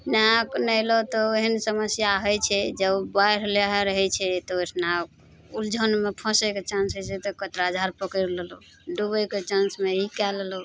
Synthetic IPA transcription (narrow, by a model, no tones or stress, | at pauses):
naknəjlɔt̪ɔeɦənsəməsjaɦɔjt͡ʃʰɛd͡ʒəbbajɾ̤leɦeɾəɦɛt͡ʃʰɛt̪ɔesʰna | uld͡ʒʱənmepʰɔ̃seket͡ʃãnsɦət͡ʃʰɛt̪ɔkət̪ɾad͡ʒʱaɾpəkəɾlelo | ɖubəjket͡ʃãnsmeikɛlelɔ